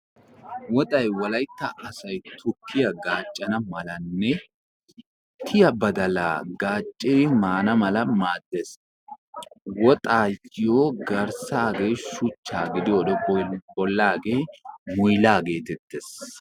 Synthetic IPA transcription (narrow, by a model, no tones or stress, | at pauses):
wɔt̪ʼɐjwlɐjt̪ːɐʔɐsɐjt̪ʰʊkːɪjɐɡaːt͡ʃʼːɐnɐmɐlɐnːɛ | t̪ʰɪjɐbɐd̪ɐla̰ːɡaːt͡ʃʼːɪmaːnɐmɐlɐmaːd̪ːes | wɔt̪ʼaːjɪjoːɡɐɾsaːɡeːʃʊt͡ʃːa̰ːɡɪd̪ɪjoːd̪ɔbɔlːaːɡe̞ːmʊjlaːɡe̞ːt̪ɛt̪ːes